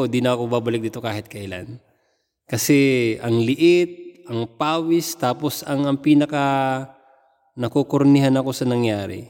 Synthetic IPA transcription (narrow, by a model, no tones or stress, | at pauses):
od̪inɐɐkobaːbɐlɪk̚d̪iːt̪o̞kaːhɪt̪̚kɐʔɪla̰n | kɐsɛʔɐŋlɪʔɪt̪̚ʔɐŋpaːwɪst̪aːpo̞sɐŋɐŋpiːnɐkɐ | nɐkokoɾnɪɦanɐko̞sɐnɐŋjaːɾɪ̰